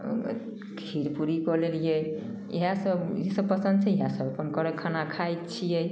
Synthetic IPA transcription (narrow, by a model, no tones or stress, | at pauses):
kʰiɾpuɾikɔlelijɛ | ḭɦãsəbisəb̚pəsə̃nd̪̚t͡ʃʰɛiɦasəbapənkɔɾekʰanakʰajt̪t͡ʃʰijɛ